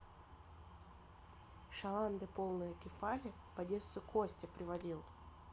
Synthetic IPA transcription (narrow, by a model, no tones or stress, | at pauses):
ʂɐlˠand̪ɨpo̞lˠnɨjəkʲɪfalʲɪ | pɐdʲe̞st̪ʊkʰosʲtʲɪpɾʲɪvɐdʲilˠ